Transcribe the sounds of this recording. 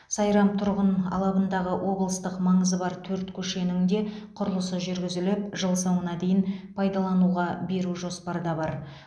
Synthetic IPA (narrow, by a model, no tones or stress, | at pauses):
sɑjɾɑmt̪ʰʊɾʁənʰɑ̰lˠɑbənd̪ɑʁəwʔo̞blˠəst̪əqmɑɴəzəbɑɾt̪ʰɵɾt̪kʲʰɵʃe̞nɪŋd̪e̞qʰʊɾəlˠəsəʒʏɾɡʲɪzɪlɪpʒəlˠsowənɑd̪ejɪnpʰɑjd̪ɑlˠɑnuʁɑbe̞ɾuʒo̞spɑɾəd̪ɑbɑɾ